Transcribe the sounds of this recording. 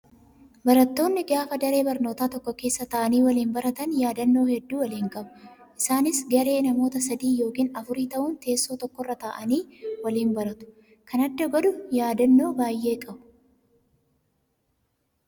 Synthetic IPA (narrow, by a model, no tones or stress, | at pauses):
bɐɾɐt̪ːo̞ːnːɪɡaːfɐd̪ɐɾe̞ːbɐɾno̞ːt̪aːt̪ɔkːɔke̞ːsːɐt̪ɐːʔɐniːwɐliːnbɐɾɐt̪ɐnjaːd̪ɐnːo̞ːhɛd̪ːuːwɐliːŋkʼɐbʊ̥ʔɪsaːnɪsɡɐɾe̞ːnɐmo̞ːt̪ɐsɐd̪iːjo̞ːkiːnɐfʊɾiːt̪ɐʔʊnt̪e̞ːsːoːt̪ɔkːɔrːɐt̪aːʔɐniːwɐliːnbɐɾɐt̪ʊ̥ | kʰɐnɐd̪ːɐɡɔd̪ʊjaːd̪ɐnːo̞ːbaːjːe̞ːkʼɐbʊ̥